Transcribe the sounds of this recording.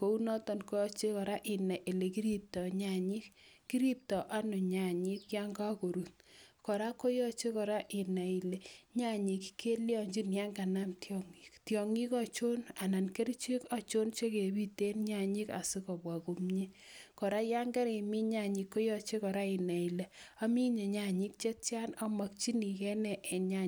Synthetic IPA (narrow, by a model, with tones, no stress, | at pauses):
ko˨u˦nɔ˦tɔ˨nkɔ˦ɔ˦t͡ʃe˦kɔ˨ɾa˦ʔɪ˨na˨ʔi˨le˨ki˦ɾi˦p̚tɔ˨ɲa˨ɲi˦kki˦ɾi˦p̚tɔ˨ʔa˦nʊ˨ɲa˨ɲi˦kja˦ŋɡa˦ko˨ɾu˨t̚kɔ˨ɾa˦ko˦jɔ˦t͡ʃe˦kɔ˨ɾa˦ʔɪ˨na˨i˨le˨ɲa˦ɲi˨kkʰe˦ljɔ˨ɲd͡ʒi˦nja˦ŋɡa˨na˦mtjɔŋi˨ktjɔ˨ŋi˦kɔ˨t͡ʃo˦na˨na˨nke˦ɾi˦t͡ʃe˦ka˨t͡ʃo˦nt͡ʃe˦ke˨bi˦te˦nɲa˨ɲi˦ka̰˨sɪ˦kɔ˨bwa˨ko˨mɲe˦ | kɔ˨ɾa˦ja˦ŋɡɛ˦ɾɪ˨mi˦ɲa˨ɲi˦kːo˦jɔ˦t͡ʃe˦kɔ˨ɾa˦ɪ˨na˨i˨le˨a˦mi˦ɲe˨ɲa˨ɲi˦k̚t͡ʃe˦t͡ʃja˦na˦ma˨k̚t͡ʃi˦ni˨kɛ˦nɛ˨ʔe˨ɲa˦